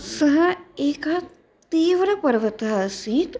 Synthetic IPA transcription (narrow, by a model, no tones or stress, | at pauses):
sɐɦɐeːka | t̪iːʋɾəpɐɾʋət̪aːsiːt̪